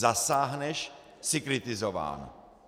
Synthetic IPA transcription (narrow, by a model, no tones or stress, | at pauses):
zasaːɦnɛʃ | sɪkɾɪt̪ɪzova̰ːn̰